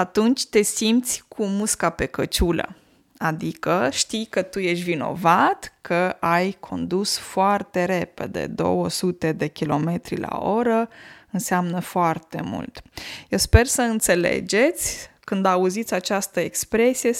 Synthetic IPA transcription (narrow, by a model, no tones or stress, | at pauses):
at̪unt͡ʃʲt̪e̞simpt̪sʲkʰumuskape̞kət͡ʃulə̰ | ad̪ikəʃt̪ijkət̪uje̞ʃvino̞̰vat̪kʰəajkʰo̞̰nd̪usfoart̪e̞ɾe̞pe̞̰d̪ḛd̪o̞̰wəsut̪e̞d̪e̞kʲilo̞me̞t̪ɾila̰o̞ɾəɨnseamnəfoart̪e̞̰mṵlt̪jewspe̞rsəɨnt̪se̞le̞̰d͡ʒe̞t̪sʲkɨnd̪auzit̪sʲat͡ʃast̪əekspɾe̞sije̞